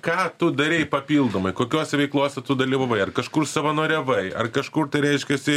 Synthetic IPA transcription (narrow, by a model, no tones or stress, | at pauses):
kɑːt̪ʊd̪ɐɾʲɛɪpɐpʲiːlˠd̪oːmɐɪkoːkʲoːsʲɛʋʲɛɪklˠoːsʲɛt̪ʊd̪ɐlʲiːʋɐʋɐɪɐrkɐʃkʊrsɐʋɐnoːɾʲɛʋɐɪɐ̰rkɐʃkʊːrt̪ɐɪɾʲɛɪʃʲkʲɛsʲɪ